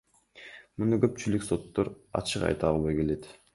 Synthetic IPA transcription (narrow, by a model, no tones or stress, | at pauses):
munukø̞pt͡ʃylykso̞t̪ːoɾ | ɑ̰t͡ʃɯqɑ̰jt̪ɑɑlˠβɑjke̞le̞t̪